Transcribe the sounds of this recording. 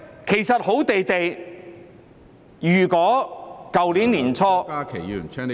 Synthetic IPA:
kʰe˨˩jsɐ˨t̚ho˨˥wt̪e˨jt̪e˨j | jyː˨˩kɔː˨˥kɐ˨wliː˨˥nliː˨˩nt͡sʰɔː˥aː˥kʰe˨˩yː˨˩nt͡ʃʰɛ˥

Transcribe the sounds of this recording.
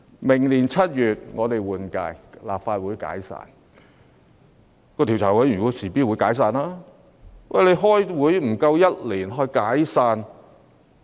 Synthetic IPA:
mɪ˨˩ŋliː˨˩nt͡sʰɐ˥t̚jyː˨t̚ŋɔː˨˧t̪e˨jwuː˨nka̰ː˧jlaː˨p̚faː˧t̚wuː˨˥jka̰ː˨˥jsa̰ː˧n | kɔː˧t̪ʰi˨˩wt͡sʰaː˨˩wɐ˨˥jy˨˩u˨˧˥siː˨˩piː˥t̚wuː˨˥jkaː˨˥js̬aː˧naː˥ | wʔɐ˨jle˨˧jɦɔː˥jwuː˨˥jm̩˨˩kɐ˧wjɐ˥t̚liː˨˩nɦɔ˧kaː˨˥jsaː˧n

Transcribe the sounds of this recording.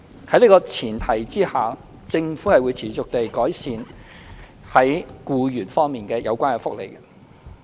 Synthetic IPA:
hɐ˨˥jliː˥kɔː˧t͡sʰiː˨˩nt̪ʰɐ˨˩jt͡siː˥haː˨ | t͡sɪ˧ŋfuː˨˥hɐ˨jwuː˨˧jt͡sʰiː˨˩t͡sʊ˨k̚t̪e˨jkɔː˨˥jsiː˨˧n | hɐ˨˥jkuː˧jyː˨˩nfɔː˥ŋmiː˨˩nkɛː˧jɐ̰˨˧wkʷaː˥nkɛ˧fʊ˥k̚lḛ˨˩j

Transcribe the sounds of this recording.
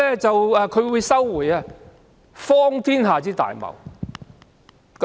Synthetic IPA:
ɛ˥t͡sɐ˨waː˧kʰɵ˨˧ɥwu˨˧jsɐ˥wːuː˨˩jaː˧ | fɔː˥ŋt̪ʰiː˥nɦaː˨t͡siː˥t̪a̰ː˨jmɐ̰˨˩w | k

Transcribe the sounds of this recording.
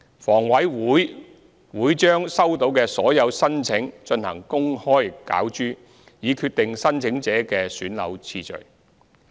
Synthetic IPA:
fɔː˨˩ŋwɐ˨˥jwuː˨˥j | wuː˨˥jt͡ʃœː˥ŋsɐ˥wt̪o˨˧˥wkɛː˧sɔː˨˥jɐ˨˧wsɐ˥nt͡sʰɪ˨˥ŋt͡ʃɵ˧nhɐ̰˨˩ŋkʊ˥ŋhɔː˥jka̰ː˨˥wt͡ʃyː˥ | jiː˨˧kʰyː˧t̪̚ɪ˨ŋsɐ˥nt͡sʰɪ˨˥ŋt͡sɛː˨˥kɛː˧syː˨˥nlɐ̰˨˧wt͡sʰiː˧t͡ʃɵ̰˨˩ɥ

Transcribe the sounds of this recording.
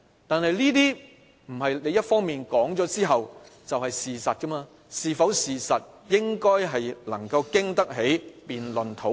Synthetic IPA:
t̪aː˨nhɐ˨jliː˥t̪iː˥ | m̩˨˩ɦɐ˨jle˨˧˥jɐ˥t̚fɔː˥ŋmiː˨nkɔː˨˥ŋt͡sɔː˨˥t͡siː˥ɦɐ˨wt͡sɐ˨wɦɐ˨jsiː˨sɐ˨t̚kɐ˥maː˧ | siː˨fɐ˨˥wsiː˨˩sɐ˨t̚jɪ˥ŋkɔː˥jɦɐ˨jlɐ˨˩ŋkɐ˧wkɪ˥ŋt̪ɐ˥k̚ɦe˨˥jpiː˨nlɵ˨nt̪ʰo˨˥w

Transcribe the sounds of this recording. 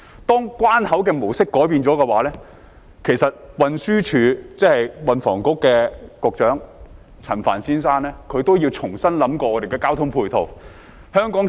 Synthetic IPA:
t̪ɔː˥ŋkwaː˥nhɐ˨˥wkɛː˧mo˨˩wsɪ˥kːɔː˨˥jpiː˧nt͡ʃɔː˨˥kɛː˧waː˨˥lɛː˥ | kʰe˨˩jsɐ˨t̚wɐ˨˧nsyː˥t͡ʃʰyː˨˧t͡sɛː˥hɐ˨jwɐ˨nfɔ̰ː˨˩ŋkʊ˨˥kːɛː˧kɔ˧k̚t͡ʃœː˨˥ŋ | t͡sʰɐ˨˩nfa̰ː˨˩nsiː˥nsaː˥nlɛː˥kʰɵ˨˧ɥt̪o˥wjiː˧wt͡ʃʰʊ˨˩ŋsɐ˥nlɐ˨˥mkʷɔː˧ɔː˨˧te˨jkɛː˧kaː˥wt̪ʰʊ˥ŋpʰuː˧jt̪ʰo˨˩w | hœː˥ŋkɔː˨˥ŋ

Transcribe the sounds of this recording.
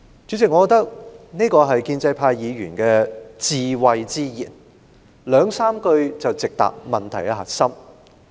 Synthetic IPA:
t͡ʃy˨˥t͡sʰɪ˨˩ŋɔ˨˧˥ɔː˧˥t̪ɐ˥k̚ne˥kɔː˧ɦɐ˨jkiː˧nt͡sɐ˧jpʰaː˧jjiː˨˧ɥyː˨˩nkɛː˧t͡siː˨˧wɐ˧jt͡siː˥jḭː˨˩n | lœː˨˧ŋsaː˥mkɵ˧ɥt͡sɐ˨wt͡sɪ˨k̚t̪a̰ː˨k̚mɐ˨˩nt̪ʰɐ˨˩jkɛ˧ɦɐ˨˩t̚sɐ˥m

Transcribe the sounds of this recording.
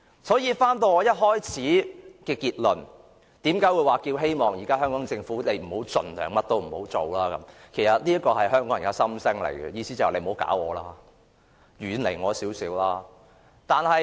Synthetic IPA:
sɔː˨˥jiː˧faː˥nt̪o˧wŋɔː˨˧jɐ˥t̚ɦɔː˥jt͡sʰiː˨˥kɛː˧kiː˧t̚lɵ˨˩n | t̪iː˨˥mkaː˨˥jwu˨˧jwaː˨ki˧wɦe˥jmɔː˨ŋjiː˨˩kaː˥ɦœː˥ŋkɔː˨˥ŋt͡sɪ˧ŋfuː˨˥ne˨˧jm̩˨˩ho˨˥wt͡sɵ̰˨nlœː˨˩ŋmɐ˥t̚t̪o˥wm̩˨˩ho˨˥wt͡so˨wlaː˥kɐ˨˦mkʰe˨˩jsɐ˨t̚liː˥ɐ˥kːɔː˧ɦɐ˨jɦœː˥ŋkɔː˨˥ŋ˨˩kaː˧˥sɐ˥msɪ˥ŋlḛ˨˩jɡɛ̰˧jiː˧siː˥t͡sɐ˨le˨˧jm̩˨o˨˥wka̰ː˨˥wɔː˨˧laː˥ | jyː˨˥nle˨˩jŋɔː˨˧siː˨˥wsiː˨˥wlaː˥ | t̪aː˨nhɐ˨j

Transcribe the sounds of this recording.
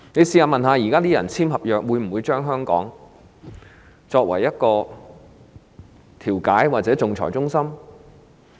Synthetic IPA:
ne˨˧jsiː˧haː˨˩mɐ˨nɦaː˨˧jiː˨˩kaː˥t̪iː˥jɐ̰˨˩nt͡sʰiː˥mhɐ˨p̚jœː˨k̚wuː˨˧jm̩˨˩wuː˨˧jt͡ʃœː˥ŋɦœː˥ŋkɔ̰ː˨˥ŋ | t͡ʃɔː˧k̚wɐ˨˩jɐ˥t̚kɔː˧ | t̪ʰiː˨˩wkaː˨˥jwaː˨t̚t͡sɛː˨˥t͡sʊ˨ŋt͡sʰɔ̰ː˨˩jt͡sʊ˥ŋsɐ˥m

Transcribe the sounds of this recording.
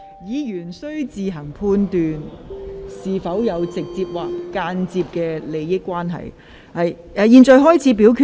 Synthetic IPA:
jiː˨˧jyː˨˩nsɵ˥ɥt͡siː˨ɦɐ˨˩ŋpʰuː˧nt̪yː˨n | siː˨fɐ˨˥wjɐ˨˧wt͡sɪ˨k̚t͡siː˧p̚waː˨˩kːaː˧nt͡siː˧p̚kɛː˧le˨˧jːɪ˥kːwaː˥nɦɐ̰˨˩j | hɐ˨j | ɛ˧jiː˧nt͡sɔː˨˧jɦɔː˥jt͡sʰiː˨˥p̬iː˨˥wkʰy˨

